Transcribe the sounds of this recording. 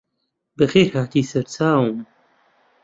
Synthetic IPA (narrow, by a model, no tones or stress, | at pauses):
bəxeːɾhaːt̪iːsɐɾt͡sʰaːwm